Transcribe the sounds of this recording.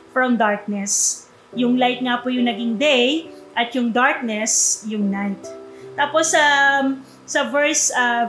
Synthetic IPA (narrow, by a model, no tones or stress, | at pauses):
fɹɐmd̪aɹk̚nɛs | jʊŋlajt̪̚ŋapʊjʊŋnɐɡɪŋd̪ejʔɐt̪̚jʊŋd̪aɹk̚nɛsjʊŋnajt̪̚ːaːposːɐ | sɐvɛɹsɐ